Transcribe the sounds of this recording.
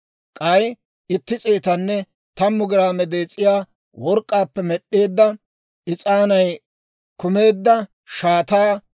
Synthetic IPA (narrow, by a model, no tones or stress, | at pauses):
kʼɐj | ɪt̪ːɪt͡sʼeːt̪ɐnːɛ | t̪ɐmːʊɡɪɾaːmɛd̪eːt͡sʼːɪjaː | wɔɾkʼːaːpːɛmɛɗːe̞ːd̪ːɐ | ɪt͡sʼaːnɐj | kʊme̞ːd̪ːɐ | ʃaːt̪aː